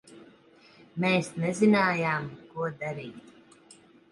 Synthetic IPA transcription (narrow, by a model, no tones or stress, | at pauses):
meːsnɛzinaːjaːmkuɔd̪aɾiːt̪